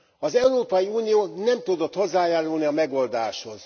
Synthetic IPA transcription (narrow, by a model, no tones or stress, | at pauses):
ɒzɛuɾoːpɒjiuːnijoːnɛmt̪ud̪o̞t̪ho̞zːaːjaːɾulniɒmɛɡo̞ld̪aːʃho̞z̥